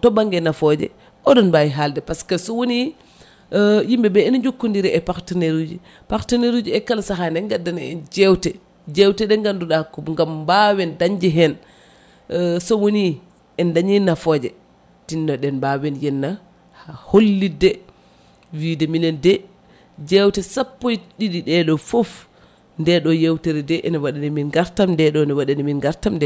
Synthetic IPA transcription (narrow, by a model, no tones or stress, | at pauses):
tɔbaŋɡɛnafɔd͡ʒɛ̰ | ʔɔɗɔnbajiɦaldɛpaskasɔwoni | jimbɛbɛɛnd͡ʒokːundiɾɛʔɛpaɾtaneɾud͡ʒi | paɾtaneɾud͡ʒiɛkːalsaɦanɛŋɡadːanɛɛ̰nd͡ʒɛwtɛ | d͡ʒɛwtɛɗɛŋɡanduɗakɔŋɡambawɛndaɲd͡ʒɛɦɛn | sɔwoni | ʔɛndaɲinːafɔd͡ʒɛ | tinːɔɗɛnbawɛnjɛnːa | haholːidɛ | wiːdɛminɛndɛ | d͡ʒɛwtɛsapːojɗiɗiɗɛɗɔfɔf | ndɛɗɔjewtɛɾɛdɛʔɛnɛwaɗaniminɡaɾtamndɛɗɔnɛwaɗaniminɡaɾtamdɛ